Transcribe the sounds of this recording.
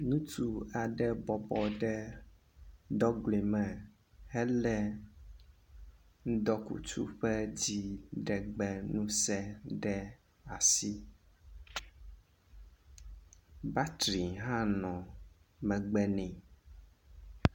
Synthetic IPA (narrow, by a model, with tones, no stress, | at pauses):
nũ˦t̪u˦a˨ɖɛ˦bɔ˨bɔ˨ɖɛ˦ | d̪ɔ˦ɡle˨mɛ̃˨ | hɛ˦lɛ˦ | ŋ̩˦d̪ɔ˦kṵ˨t͡ʃṵ˦ɸɛ˦d͡ʑi˦ɖɛ˨ɡ͡bɛ˨nũ˦sɛ˦ɖɛ˦ | a˨si˦ | ba˦t̪ɾi˨ɦã˦nɔ̃˨mɛ̃˨ɡ͡bɛ˦nĩ˨